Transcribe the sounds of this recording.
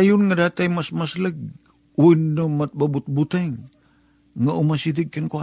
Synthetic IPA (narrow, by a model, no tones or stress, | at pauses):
ajunŋadat̪aimasmasləɡ̚ | uinːəmat̪̚babut̪̚but̪aŋ | ŋaʔumasidəɡ̚kənkua